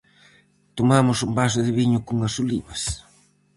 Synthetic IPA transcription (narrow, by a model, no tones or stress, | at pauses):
t̪omamʊsʊmbas̬ʊðɪβiɲʊkuŋɡasulḭβɐs